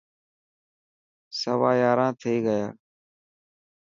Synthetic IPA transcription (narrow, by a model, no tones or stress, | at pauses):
səʋaːjaːɾãːt̪ʰeːɡəjaː